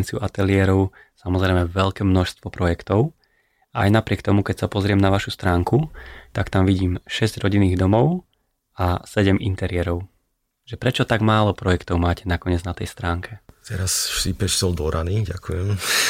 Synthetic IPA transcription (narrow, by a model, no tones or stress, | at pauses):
nt͡siuʔat̪ɛlɪɛɾɔʊ | samɔzɾɛɪmɛʋɛʎkɛːmnɔʃst̪ʋɔpɾɔjɛkt̪ɔʊ | ʔa̰jnapɾɪɛkt̪ɔmukɛcsapɔzɾɪɛmnaʋaʃust̪ɾaːŋkut̪akt̪amʋiɟiːmʃɛzɟɾɔɟinːiːɣd̪ɔmɔʊ | asɛɟɛmʔint̪ɛɾɪɛɾɔʊ | ʒ̥ɛpɾɛt͡ʃɔt̪aɡmaːlɔpɾɔjɛkt̪ɔʊmaːcɛnakɔɲɛd͡znat̪ɛjst̪ɾaːŋkʰɛt̪ɛɾasʃipɛʃsɔlˠd̪ɔɾʔaniːɟakujɛm